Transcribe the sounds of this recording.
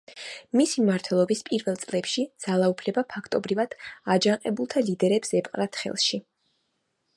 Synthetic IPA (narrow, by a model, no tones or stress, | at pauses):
misimaɾt̪ʰwɛlˠɔbispʼiɾvɛlˠt̪sʼlɛpʃid̪z̥alˠaupʰlɛbapʰakʰt̪ʼɔbɾivad̪̥ad͡ʒaqʼɛbulˠt̪ʰalid̪ɛɾɛpsɛpʼqʼɾat̪ʰχɛ̰lˠʃi